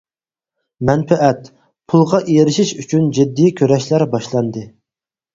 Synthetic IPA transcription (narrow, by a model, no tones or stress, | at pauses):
mɛnfɛʔɛt̪ | pʰulˠʁɑʔijɾɪʃiʃyt͡ʃʰynd͡ʒid̪ːikʲʰøɾɛʃlæɾbɑʃlˠɑnd̪ɨ